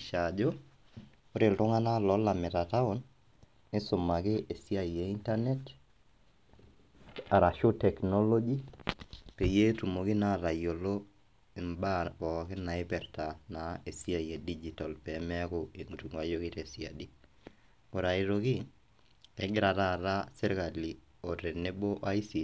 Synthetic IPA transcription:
ʃad͡ʒo˦ | o˦ɾɪ˨ltʊ˦ŋa˦na˦lɔ˦lamɪ˨tata˦o˦nː | ɪ˦sʊ˨ma˨kɪ˦ʔe˨si˦a˦ije˨inta˦nɛ˦t | a˨ɾa˨ʃo˦tɛ˨kno˦lo˦d͡ʒi˦ | pe˨je˦tu˨mo˨kɪ˦na˦ɾa˨jo˨lo˦ | e˨mba˦ɔ˨kɪ˦na˨e˦pɛ˨ɾta˨na˨e˨si˦a˨i˨e˨did͡ʒi˨ta˨lpɛmɛa˦koeŋu˨tu˨ŋa˨jo˦kɪ˦tesia̰˨di˦ | o˨ɾa˨i˨ɾokɪ˦ | ɛ˦ɡɪ˦ɾa˨ta˦˨ɾa˦sɛ˦ɾka˨li | o˨ɾe˨ne˦bo˦ʔa˦isi˨

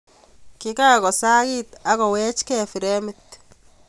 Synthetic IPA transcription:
kɪ˦ka˦kɔ˨sa˦ɣɪ˦t̪a˨ɣɔ˨wɛ˦t͡ʃkɛ˦˨fi˨ɾɛ˦mɪ˦t̪

